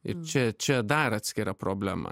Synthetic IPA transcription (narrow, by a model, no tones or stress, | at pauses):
ɪ̰ɾt͡ʃʲɛt͡ʃʲɛd̪ɐɾɑːt̪ʲsʲkʲɪɾɐpɾoːbʲlʲæmɐ̰